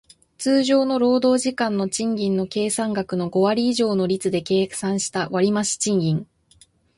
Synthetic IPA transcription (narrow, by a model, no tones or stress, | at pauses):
t͡sɨːʑo̞ːno̞ɾo̞ːd̪o̞ːʑikãnːo̞t͡ɕĩŋɡʲĩnːo̞ke̞ːsãŋɡakɯ̟no̞ɡo̞βaɾʲiːʑo̞ːno̞ɾʲit͡sɨd̪e̞ke̞ːksãɰ̃ɕi̥t̪aβaɾʲimaɕi̥t͡ɕĩŋɡʲĩŋ